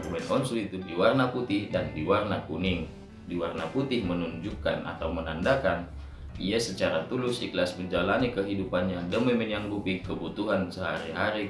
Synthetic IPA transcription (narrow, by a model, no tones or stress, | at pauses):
kubɛnɔnsuit̪udiwarnaput̪ɪhdandiwarnakuniŋ | diwarnaput̪ɪhmənuɲd͡ʒukːa̰na̰t̪awmənandakan | iasət͡ʃaɾat̪ulʊsiklasməɲd͡ʒalanikəɦidupanɲadəmimɛnjaŋbupikəbut̪uɦansəɦaɾiɦaɾi